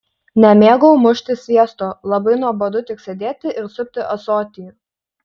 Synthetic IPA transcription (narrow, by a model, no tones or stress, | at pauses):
nʲɛmʲeːɡoʊmʊʃʲt̪ʲɪsʲʋʲiɛst̪oːlˠɐbɐɪnuɔbod̪ʊt̪ʲɪksʲɛd̪ʲeːt̪ʲɪʔɪɾsʊp̚ʲt̪ʲɪʔɐsoːt̪ʲɪː